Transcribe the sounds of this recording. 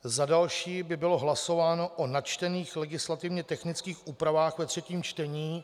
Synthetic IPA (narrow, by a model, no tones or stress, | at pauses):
zadalʃiːbɪbɪlo̞ɦlaso̞vaːno̞ʔonat͡ʃt̪ɛniːxlɛɡɪslat̪ɪvɲɛt̪ɛxnɪt͡skiːxʔuːpɾavaːxvɛt̪r̥ɛciːmt͡ʃt̪ɛɲiː